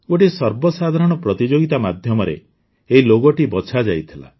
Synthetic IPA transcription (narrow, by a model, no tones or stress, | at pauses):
oʈisɔɾbɔsad̪ʱaɾɔɽ̃ɔpɾɔt̪id͡ʒoɡit̪amad̪ʱjɔmɔɾḛ | eɦiloɡɔʈibɔt͡ʃʰad͡ʒajt̪ʰila̰